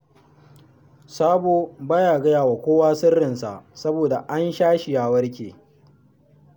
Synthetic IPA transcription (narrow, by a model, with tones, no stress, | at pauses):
saː˦boː˨ba˦jaː˨ɡɐ˦jaː˨wa˨kʷoː˦waː˦sɪ˦rːɪ˨nsa̰˨ʔsɐ˦boː˨da˨ʔa˦nʃaː˦ʃɪ˨jaː˨wɐ˦rkʲḛː˨